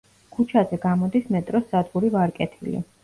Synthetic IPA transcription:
kʰut͡ʃʰazɛɡamɔd̪ismɛt̪ʼɾɔsad̪ɡuɾivaɾkʼɛt̪ʰilḭ

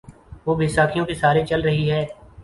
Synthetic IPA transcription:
ʋoːbʱɪsaːkʰijõkesaːɾet͡ʃɐlɾɐɦiɦɛː

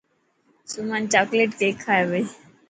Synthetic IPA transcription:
sumant͡ʃakleːʈkekʰːaːeʋəi

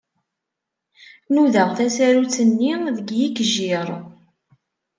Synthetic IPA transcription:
nuðəʁθæsæɾut͡sːənːiðəɡjikʒiɾˤ

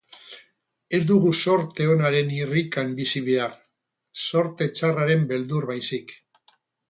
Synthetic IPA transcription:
e̞zd̪uɣuso̞ɾt̪e̞o̞naɾe̞nirikambisiβea | so̞ɾt̪e̞t͡saraɾe̞mbe̞ld̪uɾβajsik

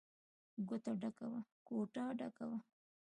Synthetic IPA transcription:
ɡʊt̪aɖakawakoʈɑɖakawa

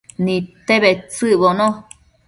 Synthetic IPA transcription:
nĩt̪eβet͡sɨʔβonõ

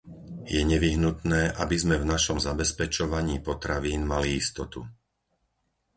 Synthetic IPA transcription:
jɛɲɛʋiɦnut̪nɛːʔa̰bizmɛvnaʃɔmzabɛspɛt͡ʃɔʋaɲiːpɔt̪ɾaʋiːnmaliist̪ɔt̪ṵ

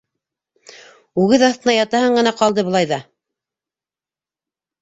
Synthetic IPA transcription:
ʉɣɘðɑθt̪ɤ̆nɑjɑt̪ɑhɤɴɢɤ̆nɑqɑlˠd̪ɤbɤ̆lˠɑjðɑ

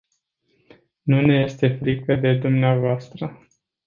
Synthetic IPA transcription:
nune̞je̞st̪e̞fɾikəd̪e̞d̪umneavoast̪ɾə

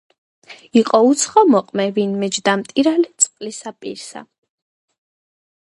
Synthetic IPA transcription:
iqʼɔut̪sʰχɔmɔqʼmɛvinmɛd͡ʒd̪amt̪ʼiɾalɛt̪sʼqʼlisapʼḭɾsa̰

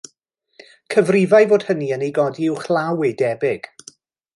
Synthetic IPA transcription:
kʰəvrɪvajvoːd̥həniənejɡɔdiɪwχlˠawɪdɛbɪɡ̥

